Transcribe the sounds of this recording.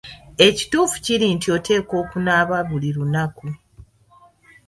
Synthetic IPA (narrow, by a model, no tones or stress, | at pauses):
e̞ci̥tuːfu̥ciɾiːntio̞tʰe̞ːko̞ːkunaːβaβuliɾunaku